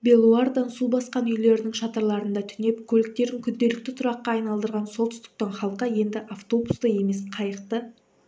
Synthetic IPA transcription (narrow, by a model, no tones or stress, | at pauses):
be̞lˠuard̪ɑnsulˠbɑsqɑnʏjle̞ɾɪnɪŋʃɑt̪ɑɾlˠɑɾənd̪ɑt̪ʰʏne̞pkʲʰɵlɪk̚t̪e̞ɾɪŋkʲʰʏnd̪e̞lɪk̚t̪ɪt̪ʰʊɾɑqːɑːjnɑlˠd̪əɾʁɑnso̞lˠt̪ʰʏ̥st̪ɪ̥k̚t̪ɑɴχɑlˠqːɑje̞nd̪ɪʔaft̪o̞bu̥st̪ɑje̞me̞sqʰɑjəq̚t̪ə